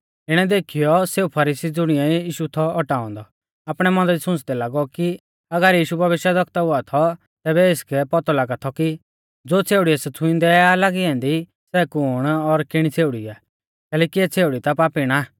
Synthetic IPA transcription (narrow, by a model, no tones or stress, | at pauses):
ɪɽ̃ɛd̪eːkʰijɔseːupʰɐɾiːsid͡zʊɽ̃ijaiiːʃut̪ʰɔɔʈaːɔ̃nd̪ɔ | aːpɽ̃ɛmɐ̃nd̪əɾisʊ̃nt͡sd̪ɛlaːɡɔki | ɐɡəɾjiːʃubʱɐbeːʃad̪ɔk̚ʰt̪aʊat̪ʰɔ | t̪ɛːbɛɪskɛpɔt̪ɔlaːɡat̪ʰɔki | d͡zoːt͡sʰeːuɽiɛsɛt͡sʰʊ̃ɪ̃nd̪ɛalaɡiɛ̃nd̪i | sɛkʊːɽ̃ɔɾkɪɽ̃it͡sʰeːʊɽiaː | kɛːlɛːkiɛt͡sʰeːuɽit̪apaːpiɽ̃a